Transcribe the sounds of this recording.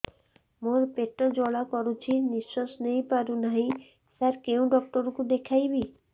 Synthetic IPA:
moɾpeʈːɔd͡ʒɔɭakɔɾut͡ʃʰiniʃːosnejpaɾunaɦĩ | saɾkewɖɔk̚ʈɔɾkud̪ekʰajbi

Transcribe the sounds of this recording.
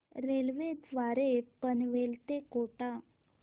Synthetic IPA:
ɾelʋed͡zʋaɾepənʋelt̪ekoʈa

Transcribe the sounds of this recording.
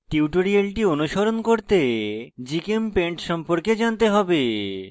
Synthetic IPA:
ʈiuʈoɾialʈionuʃoɾonkoɾt̪ed͡ʑikempeɳʈʃɔmpoɾked͡ʑant̪eɦɔbe

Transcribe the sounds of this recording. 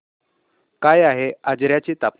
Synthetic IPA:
kajaɦead͡zɾjat͡ɕit̪ap

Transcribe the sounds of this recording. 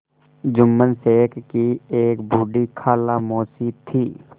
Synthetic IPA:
d͡ʒʊmːənseːkkieːkbʱuːɖikʰaːlamoːsit̪ʰiː

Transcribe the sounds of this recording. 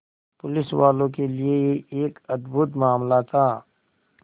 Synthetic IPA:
pʊlɪswaːlõkelieeːkɐd̪but̪maːmlat̪ʰaː

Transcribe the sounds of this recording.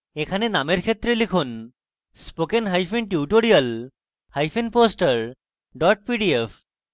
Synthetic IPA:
ekʰanenameɾkʰet̪ːɾelikʰun | spokenɦajpʰinʈuuʈoɽijal | hajpʰinposʈəɹ | ɖɔʈ̚piɖiefʰ

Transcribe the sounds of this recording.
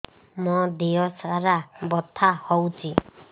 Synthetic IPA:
mɔd̪ejɔsaɾabɔt̪ʰːahɔwt͡ʃi

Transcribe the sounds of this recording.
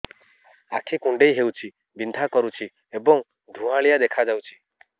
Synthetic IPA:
a̰kʰekũɳɖejɦewt͡ʃʰi | bind̪ʱakɔɾut͡ʃʰi | ebɔŋ | d̪ʱũãɭijad̪ekʰad͡ʒawt͡ʃʰi̥

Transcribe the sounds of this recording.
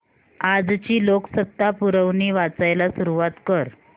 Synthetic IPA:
ad͡zt͡ɕiːloksət̪ːapuɾəʋniːʋat͡sajlasuɾuʋat̪kəɾ

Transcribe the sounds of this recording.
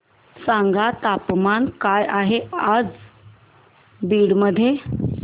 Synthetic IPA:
sãŋɡat̪apmankajaɦead͡z | biːɽməd̪ʱːje

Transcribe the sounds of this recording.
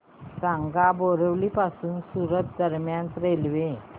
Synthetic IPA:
sãŋɡaboɾəʋlipasuːnsuɾət̪̚d̪əɾmjãnt̪ɾelʋẽ

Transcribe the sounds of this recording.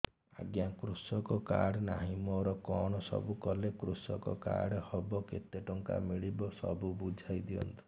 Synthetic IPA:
a̰ɡjakɾusɔkɔka̰ɽnaɦimɔɾɔkɔɽ̃ɔsɔ̰bukɔlekɾusɔkɔka̰ɽɔhɔbɔkḛt̪eʈɔŋka̰miɭibɔsɔ̰bubud͡ʒʱajd̪iɔ̰nt̪u̥

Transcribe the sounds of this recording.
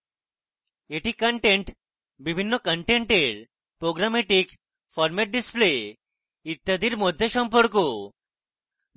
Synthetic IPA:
eʈikəɳʈeɳʈ | bibʱinːɔkəɳʈeɳʈeɾ | pɾoɡɾameʈik | fɔɾmeʈ̚ɖisple | it̪ːad̪iːɾmod̪ʱjeɕɔmpəɾko

